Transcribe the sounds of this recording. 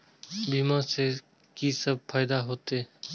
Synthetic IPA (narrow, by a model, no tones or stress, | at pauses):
biːmãːseː | kiːsəb̚pʰaːɪd̪aːɦoːt̪eː